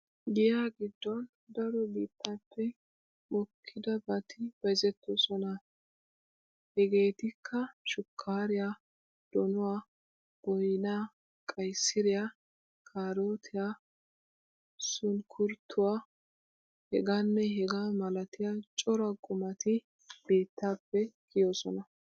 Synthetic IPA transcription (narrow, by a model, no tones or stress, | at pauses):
ɡɪjaːɡɪd̪ːɔn | d̪ɐɾɔbiːt̪ːapːɛ | mɔkʰːɪd̪ɐbɐt̪ʰɪb̥ɐzɛt̪ːɔsɔnɐ | hɛɡe̞ːt̪ɪkʰːɐʃʊkʰːaːɾɪjaː | d̪̥ɔnʊwaː | b̥ɔjnaː | kʼɐjsɪɾɪjaː | kʰaːɾoːt̪ʰɪjaː | sʊnkʰʊɾt̪ʰːʊwaː | hɛɡaːnːɛɦɛɡaːmɐlɐt̪ɪjaːt͡ʃʼɔɾɐɡʼʊmɐt̪ɪ | b̥e̞ːt̪ːaːpːɛɡɪjoːsɔnɐ